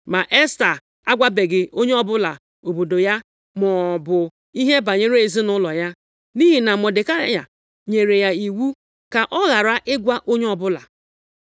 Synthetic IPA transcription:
ma˨ʔe˦sta˨ | a˦ɡʷa˦be˨ɡɪ˨o˦ɲe˦ɔ˦bʊ˦la˨ | o˨bo˨do˨ja˦ | mɔ˨bʊ˨ | i˦ɦe˦ba˨ɲe˦ɾe˦e˨zi˦nʊ˦lɔ˨ja˦ | ni˦ɦi˨na˨mɔ˨dɪ˨ka˦ja̰˨ | ɲe˨ɾe˨ja˨i˨wu˦ | ka˨ʔɔ˦ɣa˨ɾa˦ʔɪ˦ɡʷa˦ʔo˦ɲe˦ɔ˨bʊ˦la̰˨

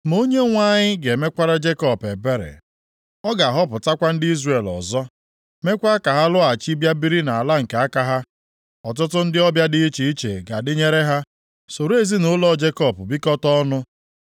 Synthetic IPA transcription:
mo˦ɲe˦ŋʷa˦ɲɪ˦ɡe˨me˦kʷa˦ɾa˦d͡ʒe˦kɔ˦˨pe˨be˦ɾḛ˨ | ɔ˦ɡa˨a˨ɦɔ˦pʊ˨ta˦kʷa˦n̩˦dɪ˦i˦zre˨lɔ̰˨zɔ˦ | me˦kʷa˦ka˨ɦa˦lʊ˦a˨t͡ʃi˦bja˦bi˦ɾi˦na˨a˨la˦ŋ̩˨ke˨˦a˦ka˦ɦa˦ | ɔ˨t̬ʊ˦tʊ˦n̩˦dɪ˦ɔ˦bja˦dɪ˦i˦t͡ʃe˨i˦t͡ʃḛ˨ɡa˨dɪ˦ɲe˦ɾe˦ɦa˦ | so˨ɾe˦zi˦nʊ˦lɔ˦d͡ʒe˦kɔ˦˨pʊ˨bi˦kɔ˦tɔ˦nʊ˦

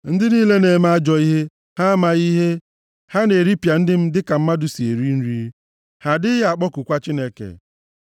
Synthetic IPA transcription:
n̩˦dɪ˦niː˦le˦ne˨ma˦a˦d͡ʒɔ˨i˦ɦe˦ | ha˦ma˨ɣi˦ɦe˦ | ha˦ne˨ɾi˦pja˨n̩˦dɪ˦m̩˦dɪ˦ka˨m̩˦ma˦dʊ˨si˨e˨ɾi˦n̩˦ɾi˦ɾ | ha˨dɪ˦ja˨k͡pɔ˦kʊ˨kʷa˦t͡ʃi˦ne˦kḛ˨

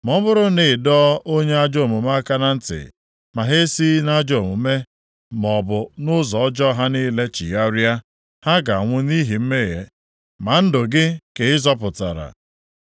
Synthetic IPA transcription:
mɔ˦bʊ˦ɾʊ˦nɪ˨dɔ˦o˦ɲe˦a˦d͡ʒo˦˨mʊ˨ma˦ka˦na˦n̩˦tɪ̰˨ | ma˨ɦe˦si˦na˦d͡ʒo˦˨mʊ˨˦me˦ | mɔ˨bʊ˨nʊ˦zɔ˨ɔ˦d͡ʒɔ˦ɦa˦ni˦le˦t͡ʃḭ˨ja˦ɾja˦ | ha˦ɡa˨ŋʷʊ˦ni˦ɦi˨m̩˦me˦˨ɦḛ˨ | ma˨n̩˦dʊ˨ɡɪ˦ke˨ɪ˦zɔ˦pʊ˨ta̰˨ɾa̰˨

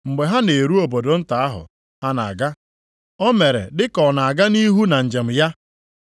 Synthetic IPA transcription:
ŋ͡m̩˨ɡ͡be˨ɦa˦ne˨ɾu˦o˨bo˨do˨n̩˦ta˨a˦ɦʊ̰˨ | ha˦na˨a˨ɡa˦ | ɔ˦me˨ɾḛ˨dɪ˦kɔ˨na˨a˨ɡa˦ni˦ɦu˦na˨n̩˨d͡ʒe˨m̩˨ja˦

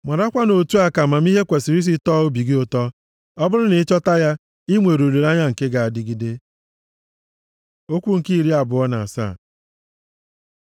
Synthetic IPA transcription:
ma˨ɾa˦kʷa˦no˨tu˦a˨ka˨ma˨mi˦ɦe˦kʷe˨si˨ɾi˦s̬i˦tɔ˦ʊ˦bi˨ɡɪ˦o˨tɔ˦ | ɔ˦bʊ˦ɾʊ˦ne˨˦t͡ʃɔ˦ta˦ja˦ | i˦mʷe˨ɾo˨le˨ɾa˦ɲa˦ŋ̩˨ke˦ɡa˨a˨dɪ˦ɡi˦de˦ | o˦kʷu˦ŋ̩˨ki˦i˨ɾi˦a˨bʊ˨ɔ˦na˨a˨sa̰ː˦˨

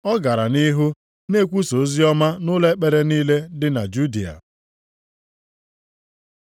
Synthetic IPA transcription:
ɔ˦ɡa˨ɾa˨ni˦ɦu˦ | ne˦kʷu˦so˨˦zi˦ɔ˦ma˦nʊ˦le˦k͡pe˨ɾe˦niː˦le˦dɪ˦na˨d͡ʒu˦di˨a̰˨

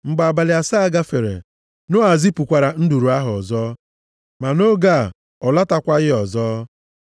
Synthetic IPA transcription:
ŋ͡m̩˨ɡ͡ba˨ba˨lɪ˨a˨sa˦a˨ɡa˦fe˨ɾḛ˨ | nʊ˦a˨zi˦pu˨kʷa˨ɾa˨n̩˦du˨ɾu˨a˦ɦʊ˨ɔ̰˨zɔː˦ | ma˨no˦ɡa̰˦˨ | ɔ˨la˦ta˦kʷa˦ɣɪ˦ɔ˨zɔː˦

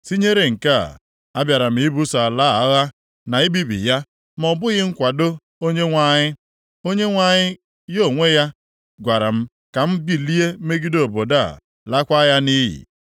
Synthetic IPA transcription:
si˦ɲe˦ɾe˨ŋ̩˨ka̰˦˨ | a˦bja˨ɾa˨m̩˨i˦bu˦sa˨a˨la˦a˦ɣa˦ | na˨i˦bi˦bḭ˨ja˦ | m˨ɔ˨bʊ˦ɣɪ˦ŋ̩˦kʷa˨do˦ | o˦ɲe˦ŋʷa˨ɲɪ˦ | o˦ɲe˦ŋʷa˨ɲɪ˦ | jo˦˨ŋʷe˦ja˦ | ɡʷa˨ɾa̰˨m̩˦ | ka˨m̩˦bi˦li˦e˦me˦ɡi˦do˨bo˨da˦˨ | la˦kʷa˦ja˦ni˦jḭ˨

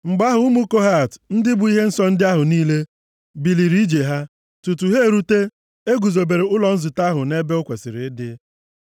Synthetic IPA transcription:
ŋ͡m̩˨ɡ͡ba˦ɦʊ˨u˦mu˦ko˦ɦa˦˨tn̩˦dɪ˦bʊ˨i˦ɦe˦n̩˦sɔ˦n̩˦dɪ˦a˦ɦʊ˨niː˦le˦ | bi˨li˨ɾi˦d͡ʒe˨ɦa˦ | tu˨tu˨ɦe˦e˨ɾu˦te˦ | e˦ɡu˨zo˨be˨ɾe˨ʊ˦lɔ˨n̩˦zʊ˨ta˦ɦʊ˨ne˦be˦ʊ˦kʷe˨sɪ˨ɾɪ˨ɪ˦dɪ˦

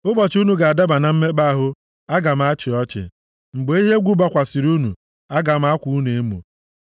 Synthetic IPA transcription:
ʊ˦bɔ˨t͡ʃu˦nu˨ɡa˨a˨da˦ba˨na˨m̩˦me˦ba˦ɦʊ˦ | a˦ɡa˨m̩˦a˦t͡ʃɪ˨ɔ˦t͡ʃɪ̰˨ | ŋ͡m̩˨ɡ͡be˨˦i˦ɦe˦ɡʷu˦ba˦kʷa˨si˨ɾu˦nṵ˨ | a˦ɡa˨m̩˦a˦kʷu˨u˦ne˨e˦mṵ˨

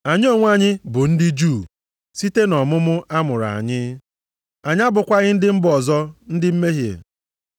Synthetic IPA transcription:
a˨ɲɪ˦o˦˨ŋʷ˦a˦ɲɪ˦bʊ˨n̩˦dɪ˦d͡ʒuː˦˨ | si˦te˦nɔ˨mʊ˦mʊ˦ʔa˦mʊ˨ɾa̰˨ɲɪ˦ | a˨ɲ˦a˦bʊ˨kʷa˦ɣɪ˦n̩˦dɪ˦m̩˦bɔ˨zɔ˦n̩˦dɪ˦m̩˦me˦ɦjḛ˨

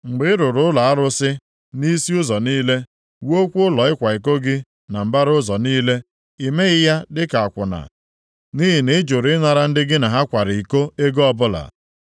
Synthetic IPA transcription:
ŋ͡m̩˨ɡ͡bɪ˦ɪ˦ɾʊ˨ɾʊ˦ʊ˦la˨a˦ɾʊ˦sɪ˦ | ni˦si˦ʊ˦zɔ˨niː˦le˦ | wo˦kʷu˦ʊ˦lɔ˨ɪ˦kʷa˨i˨ko˦ɡɪ˦ | na˨m̩˨ba˦ɾʊ˦zɔ˨niː˦le˦ | i˨me˦ɣɪ˦ja˦dɪ˦ka˨a˨kʷʊ˨na̰˨ | ni˦ɦi˨ne˦d͡ʒo˨ɾɪ˦na˨ɾa˨n̩˦dɪ˦ɡɪ˦na˨ɦa˦kʷa˨ɾɪ˨i˨ko˦e˦ɡɔ˦bʊ˦la̰˨

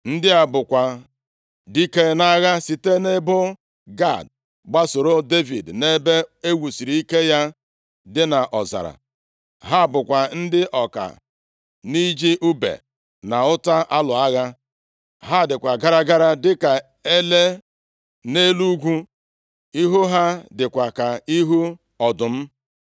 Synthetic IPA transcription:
n̩˦dɪ˦a˨bʊ˨kʷa˨ | di˦ke˦na˦ɣa˦si˨te˦ne˦bʊ˦ | ɡa̰˦˨d | ɡ͡ba˦so˨ɾo˦de˦vḭ˨dne˦be˦e˦wu˨si˨ɾi˨i˦ke˦ja˦ | dɪ˦na˨ʔɔ˨za̰˨ɾa̰˨ | ɦa˦˨bʊ˨kʷa˨n̩˦dɪ˦ʔɔ˨ka̰˨ | ni˦d͡ʒi˦ʔu˦bḛ˨ | na˨ʊ˦ta˦ʔa˦lʊ˨a˦ɣa˦ | ɦa˦˨dɪ˨kʷa˨ɡa˦ɾa˦ɡa˦ɾa˦dɪ˦ka˨ | e˦le˦ | ne˦lu˦ɡʷu˦ | i˦ɦu˦ɦa˦dɪ˨kʷa˨ka˨i˦ɦu˦ | ɔ˨dʊ˨m̩˦

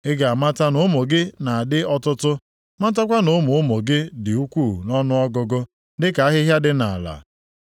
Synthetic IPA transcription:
ɪ˦ɡa˨ma˦ta˦nʊ˨˦mo˨ɡɪ˦na˨a˨dɪ˦ɔ˦tʊ˦tʊ˦ | ma˦ta˦kʷa˦nʊ˦mʊ˨˦mo˨ɡɪ˦dɪ˨u˦kʷuː˦˨nɔ˦nʊ˦ɔ˦ɡʊ˨ɡʊ˦ | dɪ˦ka˨a˦ɦɪ˦ɦja˦dɪ˦na̰˨a˨la̰˨

